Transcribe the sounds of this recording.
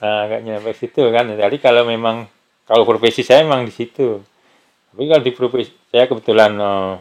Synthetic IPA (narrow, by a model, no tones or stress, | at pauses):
əɡaʔɲapesit̪ukant̪adikalowmemaŋ | kalopɾofesisajaemaŋdisit̪u | t̪apikalodipɾofesisajakəbət̪ulanəm